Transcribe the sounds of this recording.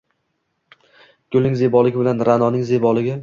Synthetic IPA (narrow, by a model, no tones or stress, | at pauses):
kʲʊlɪŋzebɒlˠɪɡʲɪbɪlanɾanɒnɪŋzebɒlɪɡʲɪ